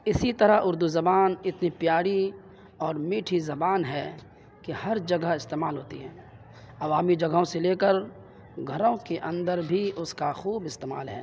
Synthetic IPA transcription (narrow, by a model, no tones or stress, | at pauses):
ɪsit̪ɐɾaʊɾd̪uzɐbaːnɪt̪nipɪjaːɽi | ɔːɾmiːʈʰizɐbaːnɦɛː | kihɐɾd͡ʒɐɡəɪst̪eːmaːlɦoːt̪ḭɦɛː | ɐʋaːmid͡ʒɐɡɦõseleːkəɾ | ɡʱɐɾõkeʔɐ̃nd̪əɾbʱiʔʊskaxuːbɪst̪eːma̰ːlɦɛ̰ː